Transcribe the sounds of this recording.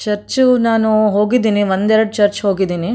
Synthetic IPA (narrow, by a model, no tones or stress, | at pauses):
t͡ʃɐɾt͡ʃunaːnuɦo̞ːɡid̪iːniʋond̪ɛɾɐɽut͡ʃɐɾt͡ʃɦo̞ːɡid̪iːni